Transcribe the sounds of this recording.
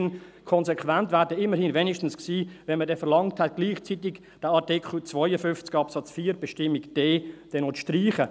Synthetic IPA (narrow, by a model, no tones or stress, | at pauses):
nkʰɔnzɛkvæntvæːɾdɛɪmːəɾhɪnvɛnɪʃtn̩sksiːvɛnmədɛfɛɾlɑŋthɛt̚ɡ̥liːχt͡sitɪɡ | d̥əɑtɪkχlt͡svɔʏəfʏnft͡sɡ̥ɑpsɑt͡sfiːɾb̥ɛʃtɪmːɪkd̥eːd̥ɛnot͡sʃtriːχə